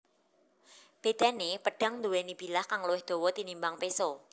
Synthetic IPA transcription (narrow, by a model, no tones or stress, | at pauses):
b̥e̤d̪̥a̤nepəɖ̥a̤ŋnd̪uwɛnib̥i̤lahkaŋluwɪhd̪̥o̤wɔt̪inimbaŋpesɔ